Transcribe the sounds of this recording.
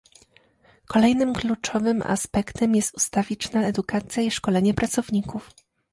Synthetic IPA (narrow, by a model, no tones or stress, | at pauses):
kʰɔlɛjnɘmklut͡ʂɔvɘmʔa̰spɛkt̪ɛmjɛst̪ust̪avʲit͡ɕt͡ʂnaɛd̪ukat̪sʲjaiʂkɔlɛɲɛpɾat̪sɔvɲikuf